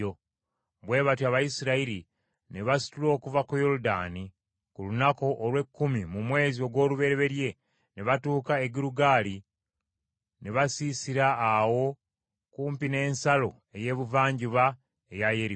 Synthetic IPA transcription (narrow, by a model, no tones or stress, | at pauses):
o | βwe̞ːβatwaβajisiɾaiɾi | neβasi̥tulo̞ːkuvakujo̞ɾuda̰ni | kulunako̞ʔːlwe̞kːumimumwe̞ːzio̞ɡwo̞ːluβe̞ɾeβe̞ɾje̞ | neβatuːkaeɡiɾuɡaːli | neβasisiɾaːwo̞ | kuːmpine̞ːnsalo̞ | e̞je̞ːβuvaːɲɟiβa | ejajeɾi